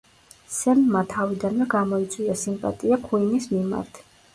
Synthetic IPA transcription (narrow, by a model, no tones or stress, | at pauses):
sɛnmat̪ʰavid̪anvɛɡamɔit̪sʼwiasimpʼa̰t̪ʼiakʰuinismima̰ɾt̪ʰ